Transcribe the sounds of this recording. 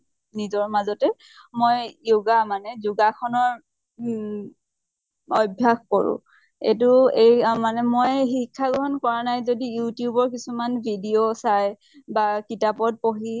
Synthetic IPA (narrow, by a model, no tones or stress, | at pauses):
nizɔɹmazɔtɛ | mojjoɡamanɛzuɡakʰɔnɔɹ | ɔbʱjaxkɔɹʊ̰̃ | ḛt̬ʊejmanɛmojɦikʰːaɡɔɦɔnkɔɹanajzodijutijubɔɹkisumanbʱidiosaj | bakitapɔt̚poɦi